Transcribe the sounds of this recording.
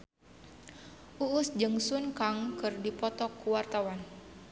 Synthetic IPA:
ʔuʔʊsd͡ʒəŋsunkaŋkɨrdipɔt̪ɔkuwart̪awan

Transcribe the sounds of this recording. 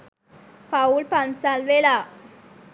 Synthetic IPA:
paulpansalʋela

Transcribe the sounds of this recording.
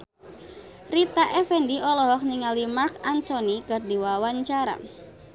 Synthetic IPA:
rit̪aʔɛfɛndiʔɔlɔɦɔk̚niŋalimarkant̪onikɨrd̪iwawaɲt͡ʃaɾa̰

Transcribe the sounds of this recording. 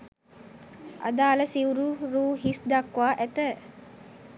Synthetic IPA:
a̰d̪aːləsiwɾuɾuːɦisd̪akʋaːʔæt̪ə

